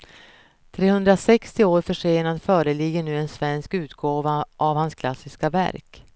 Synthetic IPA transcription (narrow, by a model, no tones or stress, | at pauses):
t̪ʰɾeːhɵnd̪ɾasɛkst̪ɪoːɾfœʂeːnad̪fœːɾəlɪɡːəɳʉ̟ːɛnsvɛnskʉ̟ːt̪ɡoːvaʔavhanskʰlasːɪskavæ̰ɾk